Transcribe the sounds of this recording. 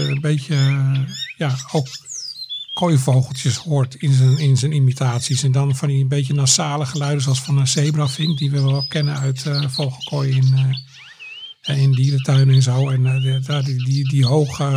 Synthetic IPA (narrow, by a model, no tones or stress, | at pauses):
ənbeːtjə | jaowk | kʰojfowɣəl̩ˠtjəshoətɪnənɪnsənimitʰaːtsisɛndɔnfɔnəənbejtjənasaːləxəlœɥdəsoɔlˠsfɔnəseːbrafɪŋdiʋəʋɛlˠkʰɛnəœɥtfowxəlˠkʰojɪn | ɪndiːdətʰœɥnɛnzowɛndadidiɦowxə